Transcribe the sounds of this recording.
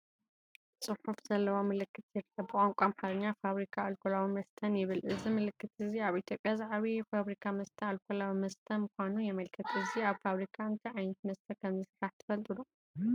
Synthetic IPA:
sʼɨħufz̥ɐlːɐwamɨlɨkʰːɨt̪jɛɾkʰɐbbɨkʼaŋkʷʼamħaɾɐɲːafaβɾikʰaalkʰolawimɐst̪ʰɐnjɪβɨlʔɨzimɨlɨkʰːɨt̪ɨziaβit̪ʰjo̞pʼjazaʕaβifaβɾikʰamɐst̪ʰɐalkʰolawimɐst̪ʰɐnmɨkʷanujɛmɐlkʰɐt̪ʼɨziaβfaβɾikʰaɨnt̪ʰɐʕajnɐt̪̚mɐst̪ʰɐkʰɐmzɨsɨɾaħt̪ʰɨ̥fɐlt̪ʼɨlu

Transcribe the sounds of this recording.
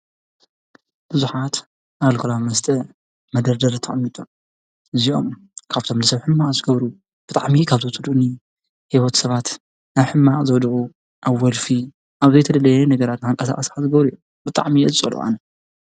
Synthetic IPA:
b̥ɨzuħat̪ | ʔaβlkʰɐlawmɐst̪ʼɐ | mɐd̪ɐɾd̪ɐɾt̪ʰɐʔʼmːit̪ʼu | ʔɨziʔo̞̰m | kʰaβt̪ʰo̞mnɐsɐβħɨmːaʔʼzɨɡɐβɾu | b̥ɨt̪ʼaʕmikʰaβt̪ʰot̪ʼɨd̪uni | hiβot̪sɐβat̪ | naβħɨmːaʔʼzɨwd̪ɨʔʼu | ʔaβwɔlfi | ʔaβzɐjt̪ʰɐd̪ɐlɐjɛnɐɡɐɾat̪nɨŋkʼɐsa̰ʔʼɐsħazɨɡɐβɾiju | bɨt̪ʼa̰ʕmiɨɨsʼo̰lṵʔa̰nɐ

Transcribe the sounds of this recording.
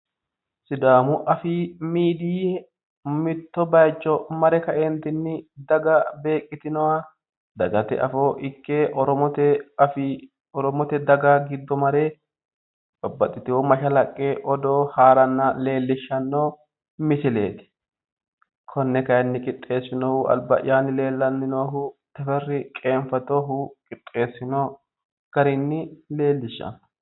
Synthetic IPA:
sɪd̪aːmʊʔɐfiːmiːd̪iː | mɪt̪ːɔbɐjt͡ʃʼːɔmɐɾɛkɐʔeːnt̪ɪnːɪd̪ɐɡɐbe̞ːkʼːɪt̪ɪnɔwaː | d̪ɐɡɐt̪ɛ̰ʔɐ̰foːʔɪkːeːʔɔɾɔmɔt̪ɛf | ɔɾɔmɔt̪ɛd̪ɐɡɐɡɪd̪ːɔmɐɾe | bɐbːɐt̪ʼːɪt̪ɪwɔmɐʃɐlɐkʼːeːʔɔd̪oːhaːɾɐnːɐle̞ːlːɪʃːɐnːoː | mɪsɪle̞̰ːt̪ɪ̥ | kʰɔnːɛkɐjɐnːɪkʼɪt̪ʼːe̞ːsːɪnoːhʊʔɐ̰lbɐ̰ʔɪ̰jaːnːɪle̞ːlːɐnːɪnoːɦʊt̪ɐfɛrːɪkʼe̞ːɱfɐt̪oːɦʊkʼɪt̪ʼːe̞ːsːɪnoː | ɡ̥ɐɾɪnːɪle̞ːlːɪʃːɐ̰n

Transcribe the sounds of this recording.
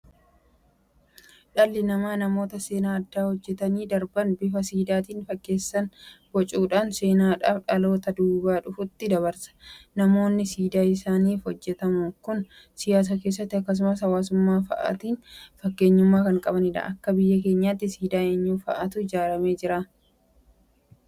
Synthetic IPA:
ᶑɐlːɪnɐmaːnɐmo̞ːt̪ɐse̞ːnaːɐd̪ːaːhɔd͡ʒːɛt̪ɐniːd̪ɐɾbɐnbɪfɐsiːd̪aːt̪iːnfɐkːe̞ːsːɐnbɔt͡ʃʼuːᶑaːnse̞ːnaːᶑaːfᶑɐlo̞ːt̪ɐd̪uːbaːᶑʊfʊt̪ːɪd̪ɐβɐɾsɐ̥nɐmo̞ːnːɪsiːd̪aːɪsaːniːfhɔd͡ʒːɛt̪ɐmʊkʊn | sɪjaːs̬ake̞ːs̬ːɐt̪ːɪɐkːɐs̬ʊmɐshɐwaːs̬ʊmːaːfɐ̰ʔɐ̰t̪iːnfɐkːe̞ːɲːʊmːaːkɐŋkʼɐbɐnɪᶑa̰ːʔɐkːɐbɪjːɐk̬e̞ːɲːaːt̪ːɪsiːd̪aːeːɲːuːfɐʔɐt̪ʊɪd͡ʒaːɾɐme̞ːd͡ʒɪɾaː

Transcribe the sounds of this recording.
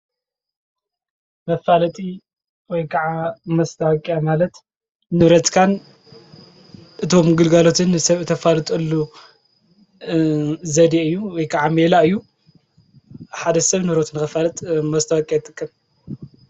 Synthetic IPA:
mɐfalɐt̪ʼi | wɔjkʰɐʕamɐst̪ʰɐwɐkʼːijamalɐt̪ | nɨɾɐt̪kʰan | ʔɨt̪ʰo̞mɡɨlɡalo̞t̪ʰɨnːɨsɐβɨt̪ʰɐfalɨt̪ʼɨlːu | zɐd̪eɨjːuwɔjkʰaʕamelaɨjːu | ħad̪ɐsɐβnɨɾot̪nɨxɐfalɐt̪ʼmɐst̪ʰɐwɐkʼijajt̪ʰʼːɨkʼːɐm

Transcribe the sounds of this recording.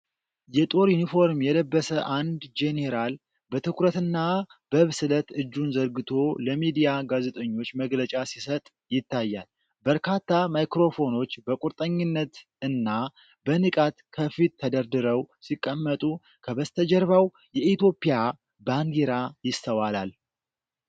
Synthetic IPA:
jɛt̪ʼo̞ɾjunifo̞ɾmjɛləbːəsəʔand̪d͡ʒe̞ne̞ɾal | bət̪ʰɨkʰɾət̪ɨnːabəβsɨlət̪ɨd͡ʒːunzəɾɡɨt̪ʰo̞ləmid̪ijaɡaze̞t̪ʼəɲːo̞t͡ʃːməɡlət͡ʃʼasisət̪ʼ | jɪt̪ːajːa̰l | bəɾkʰat̪ːamajkɾo̞fo̞no̞t͡ʃːbəkʼuɾt̪ʼəɲːɪnːət̪ | ɨnːa | bənɨkʼat̪kʰəfit̪ʰːəd̪əɾd̪ɨɾəwsikʼːəmːət̪ʼu | kʰəβəst̪ʰəd͡ʒɛɾβaw | jɛʔit̪jo̞pʼːija | baŋɡ̪eɾajɪst̪ʰəwalal

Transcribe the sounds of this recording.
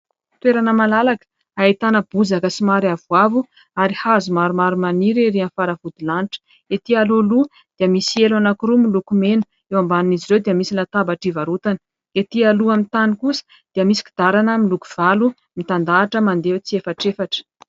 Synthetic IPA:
t̪weɾanəmalalakə̥ | ait̪anəb̥uzakəsimaɾiavuavu | aɾihazumaɾumaɾumaniɾiɾianfaɾavud̪ulaniʈ͡ʂə̥ | et̪ialulu | d̪̥iəmisielanakuɾumilukumenə̥ | ewambaniniziɾewd̪iəmisilat̪abaʈ͡ʂivaɾut̪anə | et̪ialuamint̪anikusə̥ | d̪̥iəmisi̥ki̥d̪̥aɾanəmilukuv̥alu | mit̪and̪aːʈ͡ʂəmand̪eut͡siefaʈ͡ʂefaʈ͡ʂə̥

